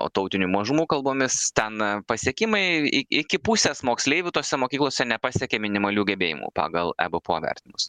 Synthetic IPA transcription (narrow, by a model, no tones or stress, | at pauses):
o̰ːt̪ɐʊt̪ʲɪnʲuːmɐʒʊmuːkɐlˠboːmʲɪst̪ʲɛnpɐsʲiɛkʲɪmɐɪɪɪkʲɪpusʲɛsmoːksʲlʲeːɪʋʲʊt̪oːsʲɛmoːkʲiːklˠoːsʲɛnʲɛpɑːsʲɛkʲeːmʲɪnʲɪmɐlʲuːɡʲɛbʲeːjɪ̰mṵpɑ̰ːɡɐlˠɛ̰bɨpoːʋʲɛ̰rʲt̪ʲnʲɪmʊs